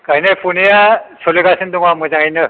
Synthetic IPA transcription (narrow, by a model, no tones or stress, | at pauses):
kajnepʰunijasoliɡasʰɯnd̪uŋamɯzaŋenɯ